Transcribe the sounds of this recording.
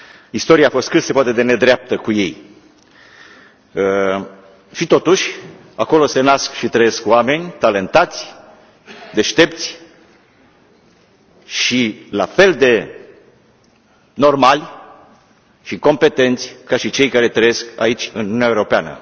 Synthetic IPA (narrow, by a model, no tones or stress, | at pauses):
ist̪o̞ɾiaːfo̞st̪kɨt̪se̞poat̪e̞d̪e̞ne̞d̪ɾeap̚t̪əkuje̞j | ʃit̪o̞t̪uʃʲ | ako̞lo̞se̞naskʃit̪ɾəje̞skwame̞nʲt̪ale̞nt̪at̪sʲ | d̪e̞ʃt̪e̞pt̪sʲ | ʃila̰fe̞ld̪e̞ | no̞rmalʲ | ʃiko̞mpe̞t̪e̞nt̪sʲkaʃit͡ʃe̞jkaɾe̞t̪ɾəje̞ska̰it͡ʃʲɨnununʲaeuɾo̞peanə̰